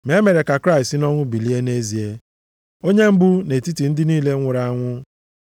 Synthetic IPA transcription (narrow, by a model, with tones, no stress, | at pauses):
me˨˦me˨ɾe˨ka˨kɾa˦ɪ˨stɪ˦nɔ˦ŋʷʊ˦bi˨li˦e˦ne˦zi˨e˦ | o˦ɲe˦m̩˦bu˦ne˨ti˦ti˨n̩˦dɪ˦niː˦le˦ŋʷʊ˨ɾa˨a˦ŋʷʊ˦